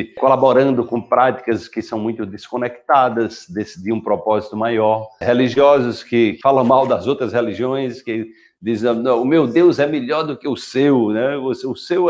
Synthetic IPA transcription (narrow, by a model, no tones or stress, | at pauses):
kolabɔɾɐ̃nd̪ʊkõpɾat̪i̥kɐskɪsɐ̃w̃mũj̃t̪ʊd̪eskõnɛk̚t̪ad̪ɐsd̪esid̪iũpɾɔpɔzit̪ʊmajɔɾheliʒiɔzʊskɪfalɐ̃w̃mawd̪ɐzowt̪ɾɐsheliʒiõj̃skɪ | d̪izɐ̃nɐ̃ʊmewd̪ewzɛmiʎɔɾd̪ʊkɪʊsewnɛvoseʊsew